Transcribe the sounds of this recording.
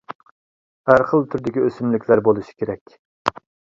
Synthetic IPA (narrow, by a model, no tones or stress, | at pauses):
hæɾχəlˠt̪ʰyɾd̪ɪkʲiøsymlɪkʲlæɾbolˠuʃi̥kʲeɾɛkʲ